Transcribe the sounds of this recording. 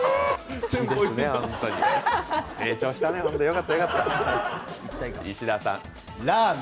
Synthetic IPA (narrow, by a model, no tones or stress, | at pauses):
ẽd̪esnehõnt̪oɲḭ | eːt͡ɕoːɕi̥t̪aneɦõnt̪ojo̞kat̪ːajo̞kat̪ːa | iaiɕid̪asã̰ŋ | ɾa